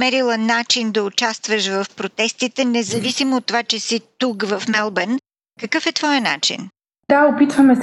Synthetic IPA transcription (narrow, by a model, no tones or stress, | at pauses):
mɛɾilˠənat͡ʃind̪ɐʊt͡ʃast̪vəʃvɐfpɾot̪ɛst̪it̪ɛnɛzɐvisimoːt̪ːovat͡ʃɛsit̪ukvɐfmɛlˠbɛn | kəkɤfɛt̪vɔjəna̰t͡ʃḭn | d̪̥aopit̪vəmɛs